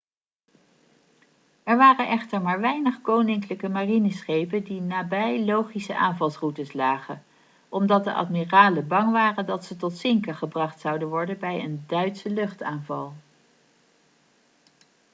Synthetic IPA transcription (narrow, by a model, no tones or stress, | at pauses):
ɛɹʋaːrənʔɛχtəɹmaːɹʋɛjnəχkownɪŋkləkəmarinəsχejpəndinaːbɛjlowχisəʔa̰ːnvɑlˠsrutəslaːχən | ʔɔmdɑt̚dəʔɑ̰tmiraːləbɑŋʋaːrəndɑtsətɔtsɪŋkəχəbrɑχtsɑwdənʋɔɹdənbɛjə̰ndœɥtsəlɵχtaːnvɑlˠ